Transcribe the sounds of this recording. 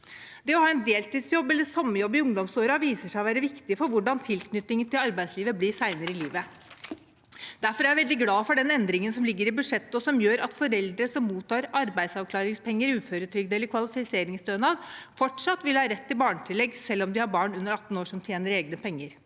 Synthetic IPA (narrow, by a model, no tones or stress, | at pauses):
d̪ɛɔhɑːɛnd̪eːlt̪iːd̪sjɔbːɛlːəsɑmːəjɔbːɪʊŋd̪ɔmsoːɾɑʋiːsəʂæɪɔʋæːɾəʋɪkt̪ɪfɔɾʋʊɖɑnt̪ʰɪlknʏt̪ːɪŋənt̪ɪlɑɾbæɪsliːʋəblɪsæɪnəɾəɪliːʋə | d̪̥æɾfɔɾæɾjæʋɛld̪ɪɡlɑːfɔɖɛnɛnd̪ɾɪŋənsɔmlɪɡːəɾɪbʉd̪ʂɛt̪ːəɔsɔmjøːɾɑt̪fɔɾɛld̪ɾəsɔmːuːt̪ʰːɑːɾɑɾbæɪd̪sɑʋkʰlɑːɾɪŋspʰɛŋːəɾʉːføːɾət̪ʰɾʏɡd̪ɛlːəɾkʰʋɑlɪfɪseːɾɪŋsd̪øːnɑd̪fɔʈʂɑt̪ːʋɪlhɑːɾɛt̪ːɪbɑːɳət̪ʰɪlːɛɡsɛlːɔmd̪ɪhɑɾbɑːɳʉnːəɾɑt̪ːn̩oːʂɔmt̪ʰjeːnəɾeːɡnəpʰɛŋːəɾ